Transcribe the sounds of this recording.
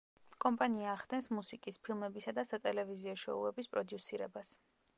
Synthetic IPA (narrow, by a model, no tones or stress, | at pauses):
kʼɔmpʼaniaːʁd̪ɛnsmusikʼispʰilˠmɛbisad̪asat̪ʼɛlɛviziɔʃɔ̰ṵɛbispʼɾɔd̪jusiɾɛbas